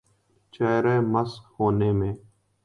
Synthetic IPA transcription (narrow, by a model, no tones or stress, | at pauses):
t͡ʃɛːɾɛːməskhoːneːmẽː